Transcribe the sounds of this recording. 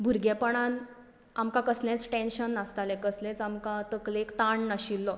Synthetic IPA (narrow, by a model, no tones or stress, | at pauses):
bʱuɾɡɛpəɳan | amkãkəslẽt͡sʈẽnɕənːast̪alɛ̃kəslẽt͡samkat̪əklekt̪aɳnaɕilːɔ